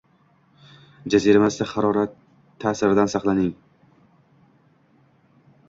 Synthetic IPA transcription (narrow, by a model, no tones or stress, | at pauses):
d͡ʒaziɾamasd̪aχɑɾɒɾat̪ʰː | aːsɪɾɪd̪ansɑχlˠanɪŋ